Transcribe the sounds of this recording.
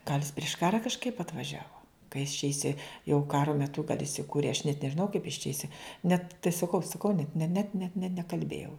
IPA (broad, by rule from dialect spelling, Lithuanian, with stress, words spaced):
ɡɐlʲ jɪs pʲrʲɪʃ ˈkɑːrɐ kɐʃˈkɐɪp ɐtʋɐˈʒʲæːʋoː ˈkɐ jɪs t͡ʃʲɛ ɪˈsʲɪ jɛʊ ˈkɑːroː mʲɛˈtʊ kɐt ɪsʲɪˈkuːrʲeː ɐʃ nʲɛt nʲɛʒʲɪˈnɐʊ kɐɪp ɪs t͡ʃʲɛ ɪˈsʲɪ nʲɛt tɐɪ sɐˈkɐʊ sɐˈkɐʊ nʲɛt nʲɛ nʲɛ nʲɛt nʲɛ nʲɛkɐlʲˈbʲeːjɛʊ